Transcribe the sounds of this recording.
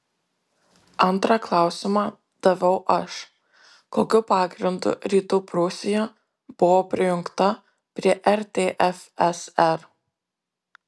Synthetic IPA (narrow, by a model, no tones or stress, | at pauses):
ɐnt̪ɾɑklˠɑˑʊsʲɪmɑː | d̪̥ɐʋʲɐʊʔɐʃ | koːkʲʊpɑːɡɾʲɪnd̪ʊ̰ɾʲiːt̪upɾʊsʲɪjɛ | b̥ʊʋoːpʲɾʲɪjʊŋkt̪ɐ | pʲɾʲiɛʔɛɾʲt̪ʲeːʔɛfɛsɛɾ